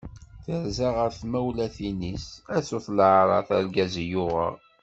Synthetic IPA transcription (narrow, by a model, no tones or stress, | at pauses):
θəɾzaʁəɾθmæwlæθinisæsʊθlʕɾˤɑθæɾɡæzjʊʁə̰